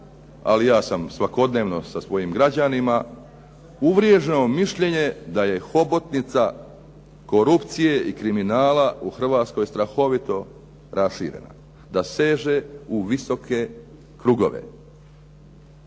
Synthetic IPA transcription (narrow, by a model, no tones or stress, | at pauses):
a̰lijaːsamsʋako̞d̪ne̞ːʋno̞sasʋo̞jimɡɾad͡ʑanima | uʋɾjeʒeomiʃʎe̞ɲe̞d̪aje̞xo̞bo̞t̪nit̪sa | ko̞ɾupt̪sije̞ikɾiminaːlauxr̩ʋaːt̪sko̞jst̪ɾaxo̞ʋit̪o̞ | ɾasʃḭːɾḛna̰ | d̪ase̞ːʒe̞uʋiso̞kʰe̞ | kɾuɡo̞̰ʋḛ